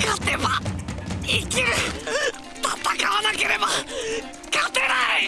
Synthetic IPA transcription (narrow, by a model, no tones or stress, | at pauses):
kat̪eba | ikʲiɾɯ | p̪at̪ːakaβanake̞ɾe̞ba | kat̪eɾai